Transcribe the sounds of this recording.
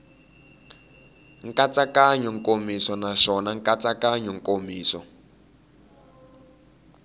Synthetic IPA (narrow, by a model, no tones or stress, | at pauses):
ŋ̩kat͡sakaɲɔŋkʼomisɔnaʃɔnaŋkʼat͡sakaɲɔŋkʼomiːsɔ